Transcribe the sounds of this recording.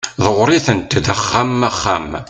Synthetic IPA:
ðəʁɾiθənt̪ːðæχːamːæχːa̰m

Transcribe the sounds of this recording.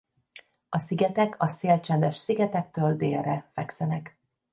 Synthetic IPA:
ɒsiɡɛt̪ɛkʰɒseːlt͡ʃɛnd̪ɛʃsiɡɛt̪ɛk̚t̪øːld̪eːrrːɛfɛksɛnɛk

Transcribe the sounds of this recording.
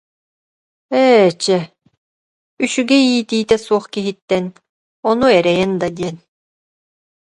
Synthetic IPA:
ɛːt͡ɕɛ | yʃyɡɛiːt̪iːt̪ɛsuɔχkiɦit̪ːɛn | ɔnuɛɾɛjɛnd̪ad̪iɛn

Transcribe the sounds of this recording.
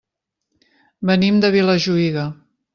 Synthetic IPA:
bənimd̪əβiləʒuiɣə

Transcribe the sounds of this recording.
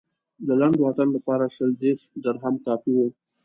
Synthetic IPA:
d̪əlaɳɖwat̪anlapɑɾaʃəld̪eʂdəɾɦamkɑfiwo

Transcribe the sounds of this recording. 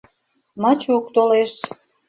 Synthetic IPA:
mɑt͡ɕukt̪oleʃ

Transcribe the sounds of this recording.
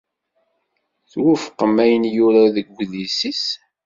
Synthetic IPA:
θwʊfqːəmːæjənjʊɾaðəɡːðisis

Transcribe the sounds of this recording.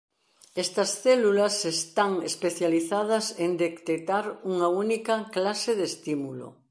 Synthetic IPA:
est̪ɐsθelulɐsest̪aŋespeθjaliθað̞ɐsend̪ekt̪et̪aɾuŋaunikɐklaseðest̪imulo̰

